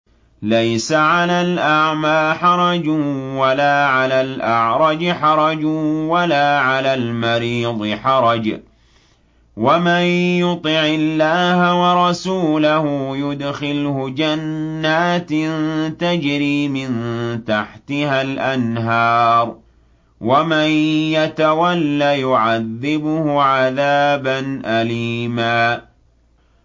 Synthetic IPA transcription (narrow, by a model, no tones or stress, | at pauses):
lajsaʕalaːlʔaʕmaːħɑɾˤɑd͡ʒwalaːʕalaːlʔaʕɾˤɑd͡ʒħɑɾˤɑd͡ʒwalaːʕalaːlmaɾiːd̪ˤɨħɑɾˤɑd͡ʒ | wamanjʊt̪ˤɪʕɪlːaːhawɑɾˤɑsuːlahʊjʊd̪xɪlhʊd͡ʒanːaːt̪nt̪ad͡ʒɾiːmɪnt̪aħt̪ɪhalʔanɦɑːɾˤ | wamanjat̪awalːaːjʊʕaðːɪbʊhʊʕaðaːbanʔaliːmaː